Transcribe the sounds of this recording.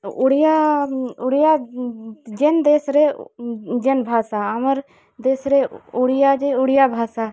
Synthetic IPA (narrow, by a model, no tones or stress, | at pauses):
uɽijaʊɽija | d͡ʒend̪eːsɾe | d͡ʒenbʱaːsaəməɾ | d̪eːsɾeuɽjad͡ʒeuɽijabʱaːsa